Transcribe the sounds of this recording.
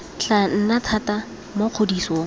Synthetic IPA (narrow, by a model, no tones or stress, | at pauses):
ɬan̩natʰata | moq͡χʰodisoː